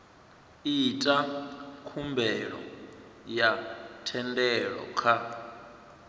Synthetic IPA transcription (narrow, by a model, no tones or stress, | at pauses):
itʼakʰumbɛɺɔ̰jatʰɛndɛɺɔ̰kʰa